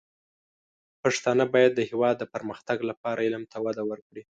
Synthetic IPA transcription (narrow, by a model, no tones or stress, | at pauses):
paʂt̪ɑnəbɑjad̪ːəhɪwɑd̪ːəpəɾməxt̪aɡlapɑɾaɪlmt̪ʰawad̪awəɾkɽi